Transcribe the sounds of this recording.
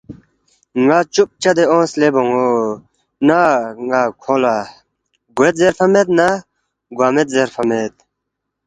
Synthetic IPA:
ŋat͡ʃup̚t͡ɕɐd̪eõːsleboŋo | naŋɡakʰola | ɡuet̪̚zeɾfʰɐmet̪̚na | ɡwaːmet̪̚zeɾfɐmet̪̚

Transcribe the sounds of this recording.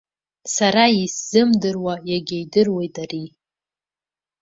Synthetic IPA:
saɾaisz̥ɨmdɨrwajaɡʲejdɨrwejtari

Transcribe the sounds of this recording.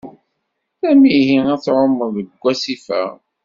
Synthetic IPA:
θæmihinæt͡sːʕomːəɾðəɡʷːæsifæ̰

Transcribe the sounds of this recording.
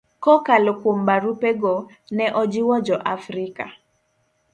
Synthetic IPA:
kɔkalokwombaɾupɛɡɔ | nɛʔɔd͡ʒiwɔd͡ʒɔʔafɾika̰

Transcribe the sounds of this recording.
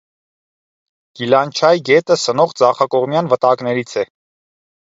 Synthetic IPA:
ɡ̥ilɑnt͡ʃʰɑjɡɛt̪əsənɔʁd͡zɑχɑkɔʁmjɑnvət̪ɑknɛɾit͡sʰɛ

